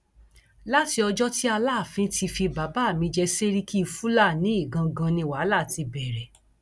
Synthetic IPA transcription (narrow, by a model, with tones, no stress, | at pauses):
la˦ti˧ɔ˧d͡ʒɔ˦ti˦a˧la˦˨fĩ˨˦ti˧fi˧ba˨˦ba˦˨mĩ˧d͡ʒɛ˧se˦ɾi˦kʰi˦˧˨fu˦la˦˨nĩ˨˦i˦˨ɡã˧ɡã˧nĩ˧wa˨˦la˦˨ti˧bɛ˨ɾɛ˨